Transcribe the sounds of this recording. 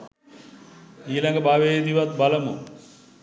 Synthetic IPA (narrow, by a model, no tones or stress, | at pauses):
iːlaŋɡəbaːʋeed̪iʋat̪̚baləmo